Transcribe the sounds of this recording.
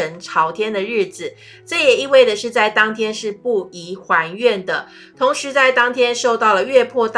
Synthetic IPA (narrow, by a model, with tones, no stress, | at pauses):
ə˧˥nʈ͡ʂʰɑ˧˥ʊt̪ʰjɛ˥nd̪ə˨ɻɻ̩˥˩d͡zɹ̩˨˩ | ʈ͡ʂɤ˥˩jɛ˨˩i˥˧we˥˩ɪd̪ə˩ʂɻ̩˥˧t͡sa˥˩ɪt̪ɑ˥ŋt̪ʰjɛ˥nʂɻ̩˥˧pu˥˩i˧˥xwa˧˥nɥɛ˥˩nd̪ə˩ | t̪ʰo˧˥ŋʂɻ̩˧˥t͡sa˥˩ɪt̪ɑ˥ŋt̪ʰjɛ˥nʂo˥˧ʊt̪ɑ˥˩ʊlə˩ɥɛ˥˧pʰwɔ˥˧t̪